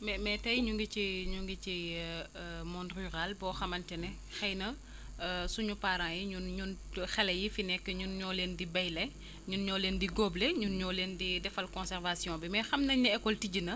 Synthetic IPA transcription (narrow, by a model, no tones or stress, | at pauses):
mɛmɛtɐjɲuŋɡit͡ʃiɲuŋɡit͡ʃi | mɔnryʁalbɔːxɐmɐntɛnɛ | xɛjnɐ | suɲupaɾãːjiɲunɲunxɛlɛjifinɛkːəɲunɲɔːlendibɐjlɛ | ɲunɲɔːlendiɡoːbleɲunɲɔːleːndidɛfɐlkɔ̃nsɛrvasjɔ̃ːbimɛxɐmnɐɲɐɛkːɔltiɟinɐ